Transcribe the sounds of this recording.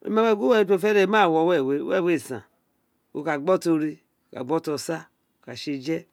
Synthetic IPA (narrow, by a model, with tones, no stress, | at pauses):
o̰˨˦ma˦we˦˨ɡo˦e˦o˦˨fe˦ɾe˦ma˦˨wɔ˨˦wɛ˦˨we˦ḛ˦˨we˦˨sã̰˨ | o̰˨ka˨ɡ͡bɔ˦to˧ɾi˧ | o˨ka̰˨ɡ͡bo˦to˧˨sa˦ | o˨ka˨ʃi˧d͡ʒɛ˦